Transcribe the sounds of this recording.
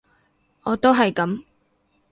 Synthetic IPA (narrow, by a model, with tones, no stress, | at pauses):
ʔɔː˨˧t̪o˥wɦɐ˨jkɐ˨˥m